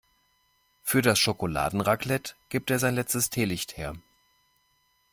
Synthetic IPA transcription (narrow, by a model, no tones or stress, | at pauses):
fyːɐɾasʃokola̰ːdn̩ʁaklɛtɡ̥iːp̚teːɐzaɪnlɛt͡stəstʰeːlɪçtheːɐ